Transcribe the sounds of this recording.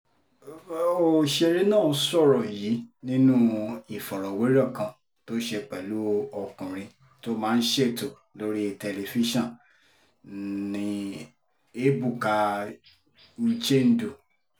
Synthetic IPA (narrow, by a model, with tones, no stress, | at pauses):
o˨ʃe˧ɾi˦nãː˦˨˦sɔ˦˨ɾɔ˨jiː˨˦nĩ˦nũ˦i˨fɔ˨ɾɔ˨we˨˦ɾɔ˦˨kã˧ | to˦ʃe˧k͡pɛ˨lu˦ɔ˧kũ˨ɾ̃ĩ˧ | to˦mãː˦˧n̩˦ʃe˦˨to˨ | lo˦ɾi˦e˧tɛ˧le˧fi˦ʃɔ̃˦˨ | nĩ˧ | e˦bu˦˨ka˧ | n̩˦t͡ʃe˦˨n̩˦du˨